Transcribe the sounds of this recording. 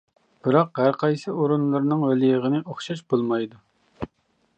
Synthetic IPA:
b̥ɨɾɑqɦæɾqʰɑjsɨoɾunlˠɨɾnɨŋwelijəʁənɨʔoχʃɑʃb̥olˠmɑjd̪u

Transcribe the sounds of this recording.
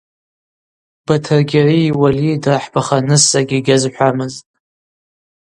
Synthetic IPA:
b̥atʰɨrɡʲariːwalidraħbaχanɨsaɡʲiɡʲazħʷamɨztʼ

